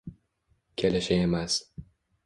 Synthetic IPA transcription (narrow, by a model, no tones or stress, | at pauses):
kʲʰelɪʃaemas